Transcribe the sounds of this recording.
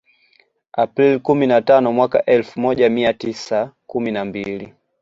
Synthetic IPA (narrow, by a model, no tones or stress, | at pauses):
apɾilkuminatanɔmwaka̰ʔɛlfumɔʄamiatisakuminambili